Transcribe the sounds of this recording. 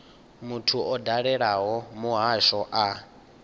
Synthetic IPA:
mutʰuʔɔdaɺɛɺaɦɔmuɦaʃɔʔa

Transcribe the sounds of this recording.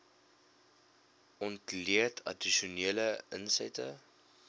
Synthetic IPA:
ɔntliətʰɐ̰diʃuniələənsɛ̰tə

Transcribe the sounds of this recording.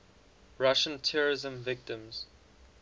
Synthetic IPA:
ɹaʃə̃ntʰɛɹɪzə̃mvɪk̚tɪ̃mz̥

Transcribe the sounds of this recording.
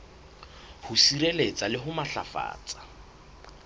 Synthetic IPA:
hʊsiɾelet͡sʼalɪɦʊmaɬa̰fa̰ːt͡sʼḁ

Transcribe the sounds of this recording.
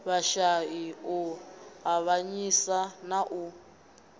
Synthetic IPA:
βaʃaiuɦaβaɲisanaʔu

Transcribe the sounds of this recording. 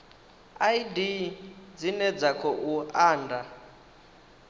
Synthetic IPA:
aidid͡zinɛd͡zakʰɔʔuaːnda

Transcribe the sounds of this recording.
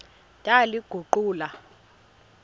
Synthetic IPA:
tʼaliɡ̥ʱuǃuːla

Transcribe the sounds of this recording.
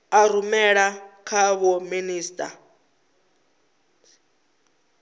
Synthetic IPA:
aɾumɛɺakʰaβɔminiːstʼa̰

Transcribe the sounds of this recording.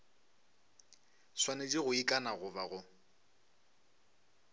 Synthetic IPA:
swaned͡ʒiɣʊikʼanaɣʊbaɣʊ

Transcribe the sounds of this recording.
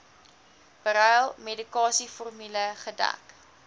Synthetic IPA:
b̥əɾœjlˠmedikɑːsifɔrmyləχədæ̰k

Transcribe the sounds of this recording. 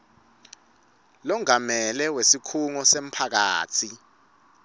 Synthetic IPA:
lɔŋamɛlɛwesikʰuŋɔsem̩pʰak̬a̰ːtt͡sʰi

